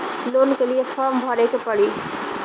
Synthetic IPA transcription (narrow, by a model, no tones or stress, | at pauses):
lonkelijepʰəɾmbʱɔɾekepəɽi